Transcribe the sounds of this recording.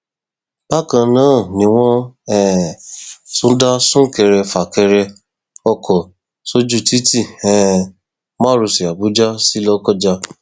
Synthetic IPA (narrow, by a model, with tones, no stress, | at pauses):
b̥a˦˨kã˧nãː˦˨nĩ˧˦w̃ɔ̃˦ɛ˦˨ | sũ˨˦da˦sũ˦kɛ˧ɾɛ˧fa˨kɛ˧ɾɛ˧ | ɔ˧kʰɔ˨ | so˦d͡ʒu˦ti˦ti˦˨ɛ̃˨ | mã˦ɾu˨˧si˨a˨bu˨˦d͡ʒa˦si˦lɔ˧kɔ˦˨d͡ʒa˧